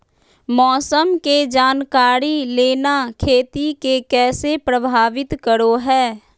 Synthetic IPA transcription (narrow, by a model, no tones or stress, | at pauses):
mɔːsəmked͡ʒaːnkaːɾileːnakʰeːt̪ikekɛːsepɾəbʱaːʋɪt̪kəɾoɦɛː